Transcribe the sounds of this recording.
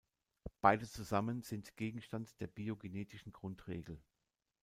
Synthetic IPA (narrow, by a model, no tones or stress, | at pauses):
b̥aɪdət͡suzamənz̥ɪntɡ̥eːɡŋ̩ʃtantd̥eːɐbiːoɡineːtʰɪʃn̩ɡʁʊntʁ̥ḛːɡl̩